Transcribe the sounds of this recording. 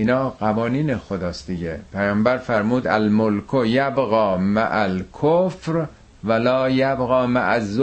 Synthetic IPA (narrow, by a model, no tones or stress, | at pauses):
ʔinɒːɢævɒːniːnexod̪ɒːsd̪iɟepʰæjɒːmbæɾfæɾmuːd̪ælmolkʰojæbɣɒːmæ̰ʔælkʰofɾ | vælɒːjæbɣɒːmæʔæzːo